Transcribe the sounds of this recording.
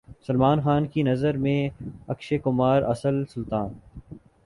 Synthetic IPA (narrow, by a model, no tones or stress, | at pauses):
sɐlmaːnxaːnkinɐzəɾmẽɐkʃekʊmaːɾɐ̰səlsʊlt̪aːn